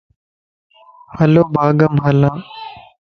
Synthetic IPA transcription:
həloːbʱaːɡəmɦəlãː

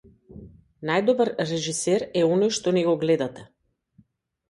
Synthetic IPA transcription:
najd̪ɔbaɾːɛʒisɛɾɛɔnɔjʃt̪ɔnɛɡɔɡlɛd̪at̪ɛ

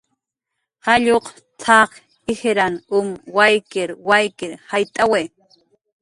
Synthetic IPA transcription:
haʎoq | t͡sʰɑχ | ɪheɾanʊmwajkɪɾwajkɪɾhajt̪ʼawe

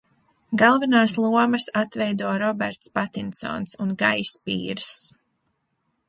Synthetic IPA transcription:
ɡalˠvɛnaːslˠuɔmɐsat̪vɛjd̪uɔɾɔbɛɾt̪spat̪insɔ̰ːnsunɡajspḭːɾs

